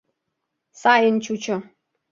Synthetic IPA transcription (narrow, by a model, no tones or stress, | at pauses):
sajɪn̩t͡ʃut͡ʃɔ